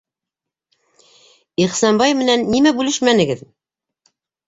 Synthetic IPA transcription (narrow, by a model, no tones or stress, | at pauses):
iχsɑnbɑjmɘ̆nænːimæbʉlɘʃmænɘ̆ɡɘð